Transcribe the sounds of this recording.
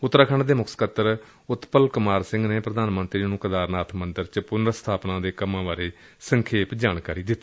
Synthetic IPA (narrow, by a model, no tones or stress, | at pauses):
ʊt̪ːɾaːkʰəɳɖd̪eːmʊkʰskət̪ːəɾ | ʊt̪pəlkʊmaːɾsɪ̃ŋɡneːpɾəd̪aːnmənt̪ɾiːnũːkəd̪aːɾnaːt̪ʰmənd̪əɾt͡ʃpʊnəɾst̪ʰaːpnãːd̪eːkəmãːʋaːɾeː | səŋkʰeːpd͡ʒaːɳkaːɾiːd̪ɪt̪ː